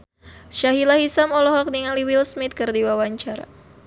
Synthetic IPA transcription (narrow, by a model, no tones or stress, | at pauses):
ʃaɦilaɦisamɔlɔɦɔk̚niŋaliwilsmit̪̚kɨrdiwawaɲt͡ʃaɾa̰